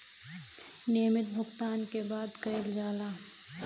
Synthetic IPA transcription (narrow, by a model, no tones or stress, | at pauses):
neːmɪt̪̚bʱʊɡt̪aːnkebaːd̪kɐeld͡ʒaːlaː